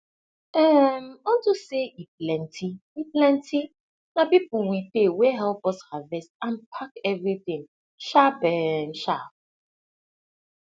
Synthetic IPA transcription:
ɛmɔtuseʔiplɛntʰiiplɛ̃ntʰi | napip̩wipewɛɦɛlpɔshavɛstãnpʰakɛvɾiθɪ̃ŋ | ʃapɛn̩ʃap̚

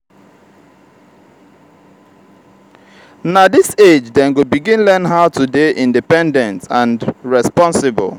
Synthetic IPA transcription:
nadised͡ʒdɛ̃nɡobiɡĩnlɛnɦaʊtudeʔĩndipɛ̃ndɛ̃ntãnɹɛspɔ̃nsɪbə̰l

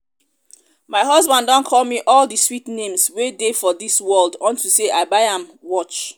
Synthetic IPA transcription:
maɪɦʌzbãndɔ̃nkʰɔlˠmiʔɔlˠdəswitnẽmswedefɔðiswɜlˠdɔ̃ntuseaɪbaɪãmwɔt͡ʃ

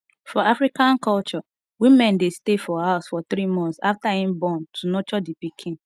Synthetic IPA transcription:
fɔafɹikãnkɔlt͡ʃɔ | wimɛ̃ndestefɔhaʊsfɔθɾimɔ̃nsa̰ftahĩmbɔ̃ntʰunɔt͡ʃɔdipikʰĩn

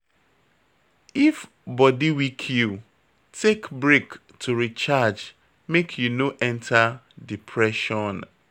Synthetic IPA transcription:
if | bɔdiwikʰju | tʰekbɹek | tʰuɾit͡ʃad͡ʒ | mekʰjunoʔɛ̃ntʰa | dipʰɹɛʃɔn

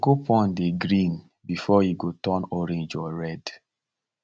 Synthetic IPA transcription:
ɡopɔ̃ndeɡɾĩn | bifɔjiɡotɔnɔɾẽnd͡ʒɔɹɛd

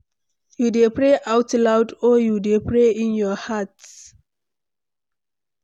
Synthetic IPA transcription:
judepɹeʔawtlawdɔjudepʰɹeĩnjɔhats

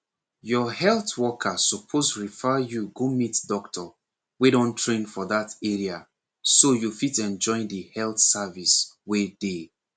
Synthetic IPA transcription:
jɔɦɛlˠθwɔkʰasupʰosɹifajuɡomitdɔktʰɔ | weɾɔ̃ntʰɹẽnfɔðatɛɹia | sojufitɛ̃nd͡ʒɔ̃ɪ̃ndihɛlˠθsaviswede

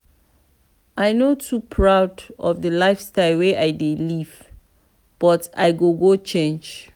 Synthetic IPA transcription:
ajnotʰupʰɹawdɔ̰vdəlaɪfstaɪlweʔajdeliv | b̥ɔta̰jɡoɡot͡ʃẽnd͡ʒ

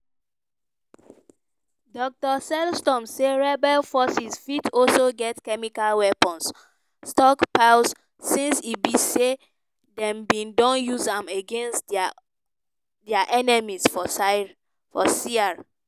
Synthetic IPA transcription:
dɔk̚tɔsɛlstɔ̃mseɹɛbɛlfɔsizfitɔlsoɡɛtkɛmikalwɛpɔ̃ns | stɔkpaʊs | sĩnsibise | dɛ̃mbĩndɔ̃njuzãmeɡẽnst | dɛaʔɛnɛmisfɔ | fɔsia

